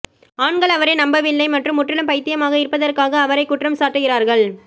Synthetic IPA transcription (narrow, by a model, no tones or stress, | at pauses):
aːɳɡɐɭɐʋɐɾeːnɐmbɐʋɪlːɐɪmɐʈrɯmːʊʈːɪlɯmpɐɪt̪ːɪjɐmaːɣɐɪɾpːɐðɐrkaːɣɐːʋɐɾɐɪkːʊʈrɐmsaːʈːɯɣɪraːɾɣɐɭ